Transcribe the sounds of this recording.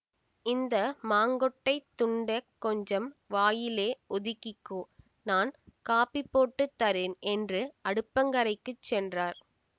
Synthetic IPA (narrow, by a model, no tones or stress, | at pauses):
ɪnd̪ɐmaːŋɡɔʈːɐɪt̪ːʊɳɖɐkːɔɲd͡ʒɐmʋaːjɪleːʔɔðɪkːɪkːoː | naːnkaːpːɪpːoːʈːɯt̪ːɐɾɪːnɛndrɯɐɽɯpːɐŋɡɐɾɐɪkːɯt͡ʃːɛndraːɾ